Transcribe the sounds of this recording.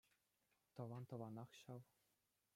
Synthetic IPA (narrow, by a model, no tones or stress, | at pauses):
t̪ɤ̆ʋɑnt̪ɤ̆ʋɑnɑχɕɑʋ